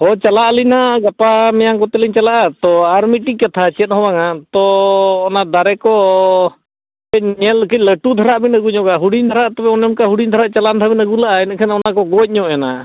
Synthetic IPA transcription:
ɔt͡ʃalaʔlinaɡapamɛjaŋkɔt̪ɛliɲt͡ʃalaʔat̪ɔaɾmiʈikːat̪ʰat͡ʃɛt̪̚ɦɔwaŋat̪ɔːnad̪aɾɛkɔ | bɛɲɛlkʰiləʈud̪ʱaɾaʔbinəɡuɲɔɡaɦuɽiɲd̪ʱaɾaʔt̪ɔbɛɔnɔmkaɦuɽiɲd̪aɾaʔt͡ʃalant̪ʰabinəɡulaʔaɛnkʰɛnaɔnakɔɡɔc̚ˀɲɔʔɛna

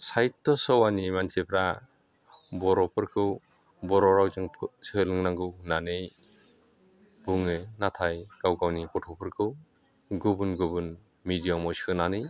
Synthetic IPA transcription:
sajtːɔsɔwanimansepʰɾa | bɔɾɔpʰɯɾkʰɯw | bɔɾɔɾawzɯŋpʰsɯlɯŋnaŋɡɯwnanej | buŋɯnatʰajɡawɡawnipɔtʰɔpʰɯɾkʰɯw | ɡubɯnɡubɯn | midijamɔjsɯnanɯj

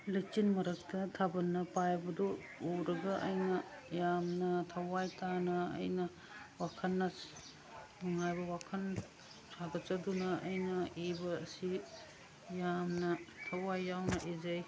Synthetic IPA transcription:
lɐt͡ʃinmɐɾɐktʰɐtʰabɐnːɐpajbɐdɔ | uɾɐɡɐʔɐjnɐjamnɐtʰɐwajtanɐɐ̰jnɐ | wakʰɐnːɐ | nuŋajbɐwakʰɐn | saɡɐt̚t͡ʃɐdunɐɐjnɐibɐːsi | jamnɐtʰɐwajːawnɐʔizɐj

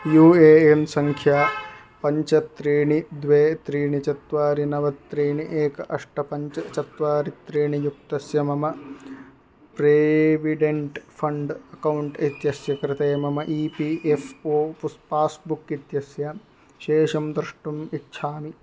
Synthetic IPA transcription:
juːeːemsɐŋkʰjaː | pɐɲt͡ʃɐt̪ɾiːɳid̪ʋeːt̪ɾiːɳit͡ʃɐt̪ʋaːɾinɐʋɐt̪ɾiːɳiʔeːkɐʔɐʂʈɐpɐɲt͡ʃɐt͡ʃɐt̪ʋaːɾit̪ɾiːɳijuk̚t̪ɐsjɐmɐmɐ | pɾeːʋiɖeɳʈpʰɐɳɖɐkɐwuɳʈit̪jɐsjɐkɾɪt̪ɐːmɐmɐʔiːpiʔefoːpspaːsbukit̪jɐsja | ʃeːʃɐmd̪ɾʂʈumitːʃʰaːmi

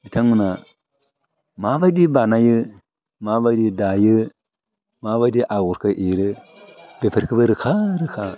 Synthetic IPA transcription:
bitamuna | mabaɗibanajə | mabaɗidajə | mavadiʔaɣuɾkəʔiɾə | bepəɾkəbaɾəxaɾəka

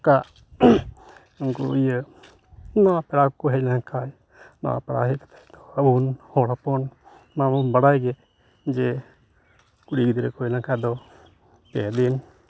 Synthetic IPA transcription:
kaʔ | unkɔ̰ijə | nɔapɛɽakɔɦɛnaŋkaj | nɔ̰a̰pɛɽa̰ɦɛkḁt̪ḁjd̪ɔəbunhɔɽapɔn | mamunbəɽajɡɛ | d͡ʒɛ | kuɽiɡid̪iɾɛkɔɛnakajd̪ɔ | pɛ̰d̪in

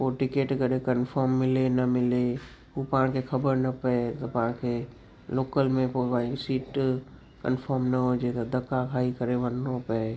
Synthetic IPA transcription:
oʈɪkeːʈkəɾekənpʰəɾmːɪlenəmɪle | upaãkekʰəbəɾnəpəet̪opãke | loːkəlmẽpoʋaisiːʈ | kənpʰəɾmnəɦod͡ʒet̪d̪əkːakʰaːikəɾeʋənːopəe

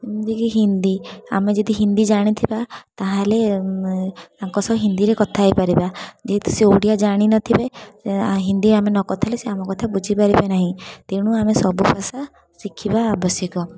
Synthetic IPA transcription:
ind̪ikiɦind̪ia̰med͡ʒɔd̪iɦind̪id͡ʒaɽ̃it̪ʰibat̪aɦãle | aŋkɔsɔbɦind̪iɾekɔt̪ʰaːjpaɾibad͡ʒeɦt̪ɔ̥seoɽijad͡ʒaɽ̃inɔt̪ʰibe | ɦind̪iamenɔkɔt̪ʰaleseamɔkɔt̪ʰabud͡ʒʱipaɾibenaɦĩt̪eɽ̃uamesɔbupasa | sikʰibaːbɔsjɔkɔ

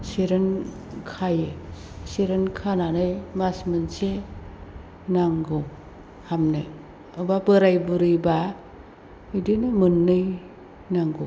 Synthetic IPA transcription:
seɾɯn | kʰaje | seɾɯnkʰananɯjmasmɯnse | naŋɡo | hamnɯ̰ | ɯbabɯɾajbuɾɯjba | ɯjdinɯmɯnːɯj | naŋɡo

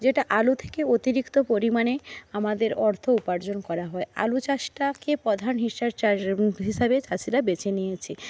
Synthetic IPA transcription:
d͡ʑeʈaʔalut̪ʰe̥keot̪iɾikt̪opoɾimaneamad̪eɾɔɾt̪ʰoupaɾd͡ʑonkɔɾaɦɔea̰lut͡ɕaʃʈakepɔd̪ʱanɦiʃaɾt͡ɕaɦiʃabet͡ɕaʃiɾabet͡ɕenijet͡ɕʰe

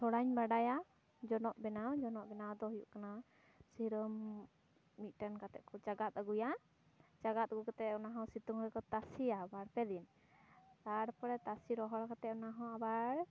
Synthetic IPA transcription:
sɔɽaɲbaɖaja | d͡ʒɔnɔʔbɛnawd͡ʒɔnɔʔbɛnawd̪ɔɦujṵʔkana | siɾəmː | it̪̚ˀʈankat̪ɛ̰ʔ̪̚kʰɔd͡ʒaɡat̪̚aɡuja | d͡ʒaɡat̪̚ɡukat̪ɛɔnaɦɔ̃sit̪uŋɾɛkɔt̪asiabaɽpɛd̪in | t̪aɽpɔɾɛt̪asiɾɔɦɔɽkat̪ɛɔnaɦɔ̃abaɽ

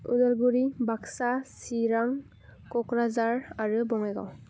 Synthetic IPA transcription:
udɔlɡuɾibaksasiɾaŋ | kɔkɾazaɾaɾɯbɔŋajɡa̰w

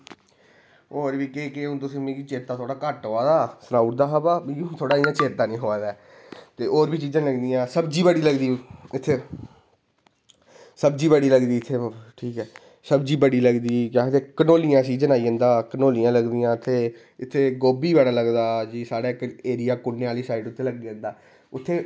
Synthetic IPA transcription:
oːɾbiːkekɪʊ̃nt̪ʊsĩːmẽːɡit͡ʃeːt̪ːaːt̪ʰoːɽaːkəʈɦoːaːd̪aːsənaːuʈ̚d̪aːɦaːbaːbĩːʊ̃t̪ʰoːɽaːiːãːt͡ʃeːt̪ːaːnĩːɦoːaːd̪ɛː | t̪eːʔoːɾbiːt͡ʃiːd͡ʒə̃nləɡd̪ijãːsəbd͡ʒiːbəɽiːləɡd̪iːɪt̪ʰːeː | səbd͡ʒiːbəɽiːləɡd̪iːɪt̪ʰːeːʈʰiːkɛː | səbd͡ʒiːbəɽiːləɡd̪iːkaːt̪eːkənoːlijãːsiːd͡ʒənaːiːə̃nd̪aːkənoːlijãːləɡd̪ijãːt̪ʰːeː | ɪt̪ʰːeːɡoːbiːʋaːɽaːləɡd̪aːd͡ʒiːsaːɽaːɪkeːɾɪjaːkʊnːeːaːliːsaːɪʈʊt̪ʰːeːləɡiːə̃ːnd̪aː | ʊt̪ʰːeː

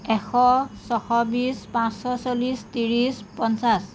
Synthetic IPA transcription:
ɛxʰɔsɔxɔbispãsɔsolistiɹispɔnsas

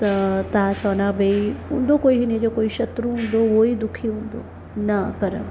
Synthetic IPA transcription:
t̪ɐt̪at͡ʃɔːnabʱɐiɦṵ̃nd̪okoːiɦinẽd͡ʒokoːiʃɐt̪ɾuɦũnd̪oʋoid̪ʊkʰiɦũnd̪o̰ | nɐkɐɾə̰

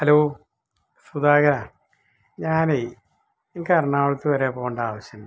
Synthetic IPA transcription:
hɐloː | sud̪aːɡɐɾa | ɲaːne | enikʲːaːɾɐɳaːɭut̪ːɨʋɐɾepoːɳɖaːʋɐɕjɐnː

